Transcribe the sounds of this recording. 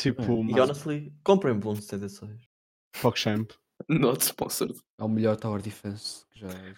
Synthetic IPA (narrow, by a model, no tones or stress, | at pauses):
t̪ʰipumiɔnɐslˠikõmpɾɐ̃j̃bũnt̪ẽnt̪ɐsõj̃ʃ | fɔkʃɛ̃mp | nɔt̪ʃpɔ̰̃sɔ̰ɾ | ɛũmɨʎɔɾt̪awɐɾðifẽskɨʒa